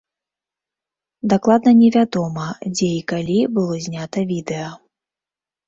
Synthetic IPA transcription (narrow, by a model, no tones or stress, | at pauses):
d̪aklˠad̪nɐnʲɛvʲad̪ɔmɐd͡zʲɛikalʲibɨlˠɔzʲnʲat̪ɐvʲid̪ɛjɐ